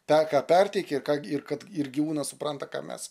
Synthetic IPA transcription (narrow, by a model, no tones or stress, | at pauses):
pʲɛkɑːpʲɛrʲt̪ʲɛɪkʲɛɪrkɑːɪrkɐt̪ɪrɡʲɪʋuːnɐsʊprɐnt̪ɐkɑ̰ːmʲɛ̰s